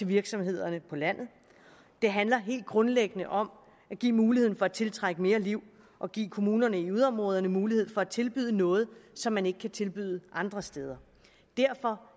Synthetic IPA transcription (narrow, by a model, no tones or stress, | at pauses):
t͡sʰe̝ʋiɐɡ̥sɒ̽mhe̝ð̞̰ˠɐnəpʰɒ̽læn̰ð̞̩ˠ | d̥e̝ɦænlɐɦe̝̰ːld̥̚ɡ̥ʁɔ̽nleɡ̥ənəʔɒ̽m | æɡ̥ḭːmuːliheð̰ˠn̩fɒ̽æt͡sʰe̝lt͡sʰʁaɡ̥əme̝ːɐliʊ̰ | ʔɒ̽ɡ̥ḭːkʰo̝muːnɐnəiuð̞ˠɒ̽mʁɔ̽ːð̞ˠɐnəmuːlihe̝ð̞̰ˠfɒ̽æt͡sʰe̝lb̥yð̰ˠənɔ̽ːð̞̩ˠsɒ̽mːæne̝ɡ̥ə̥kʰæt͡sʰe̝lb̥yðˠəʔɑ̈nd̥ʁɐsd̥eːð̞ˠɐ | d̥æɐfɒ̽